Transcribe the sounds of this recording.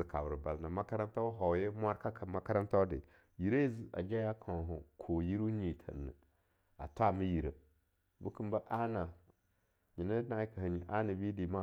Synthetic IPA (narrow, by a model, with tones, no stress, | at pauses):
ɨ˨ka˨bɾɨ˨ba˨lna˨ma˦ka˦ɾa˦n˦ta˦ɦɔ˨˦je˦mʷ˦a˦ɾka˦ka˨ma˦ka˦ɾa˦nta˦dɪ̰˨ | ji˨ɾe˦zi˨a̰˨d͡ʒa˦ja˦kʰã˨ɦʊ˨kʰo˨ji˦ɾu˦ɲi˨tʰə̰˨nːɨ̰˨ | a̰˨ta˦˨mi˦ji˨ɾə˨ | bu˦kɨ˦m˦ba˦ʔa˦na˨ | ɲi˨nə˦na˦ka˨hə˨ɲi˨ʔa˦na˨bi˦di˨˦ma˦